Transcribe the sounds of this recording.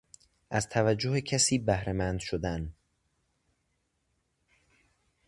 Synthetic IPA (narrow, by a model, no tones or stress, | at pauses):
ʔæzt̪ʰævæd͡ʒːohecʰæsiːbæhɾemænd̪ʃod̪æn